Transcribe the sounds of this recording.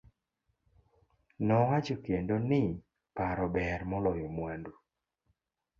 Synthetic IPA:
nɔwat͡ʃokendonɪ | paɾɔbɛrmɔlɔjɔmwandu

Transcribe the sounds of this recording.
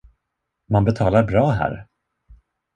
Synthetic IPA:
manbɛt̪ʰɑːlaɾbɾɑːɦæ̰ːɾ

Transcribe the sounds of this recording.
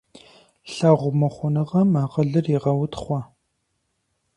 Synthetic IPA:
ɬaʁʷʊmɐχʷʊnɨʁɐmaʁəɮɨriʁɐwʊtχʷɔ

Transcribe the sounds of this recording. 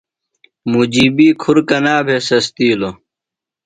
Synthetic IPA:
mud͡ʑiːbiːkʰuɾkɐnaːbʱesɐst̪iːlo

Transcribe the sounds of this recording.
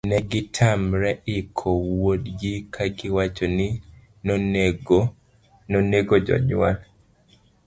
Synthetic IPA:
nɛɡɪtʰamɾɛʔɪkʰɔwodɡɪkʰaɡɪwat͡ʃonɪ | nɔneɡo | nɔneɡɔd͡ʒɔ̰ɲwa̰n

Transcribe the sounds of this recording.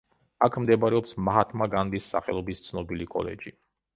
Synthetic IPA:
akʰmd̪ɛbaɾɛɔpsmaɦat̪ʰmaɡand̪isːa̰χɛ̰lˠɔbist̪sʰnɔbilikʼɔ̰lɛ̰d͡ʒi

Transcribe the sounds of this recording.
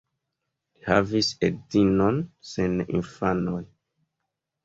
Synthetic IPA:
iha̰visek̚dinonsenḭnfanoj

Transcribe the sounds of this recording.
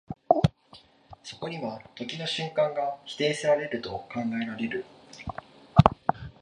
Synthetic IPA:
so̞ko̞ɲ̟iβat̪o̞kʲino̞ɕɨ̃ŋkãŋɡaçi̥t̪e̞ːsɨɾaɾe̞ɾɯ̟t̪o̞kãŋɡaeɾaɾe̞ɾɯ̟

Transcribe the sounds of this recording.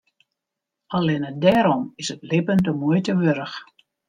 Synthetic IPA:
alɪnədɛːɾɔmɪsətlɪpəntəmuəjtəʋøɾəx

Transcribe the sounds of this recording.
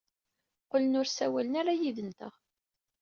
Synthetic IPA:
qʊlənʊɾsæwælənaɾajiðənt̪ə̰ʁ

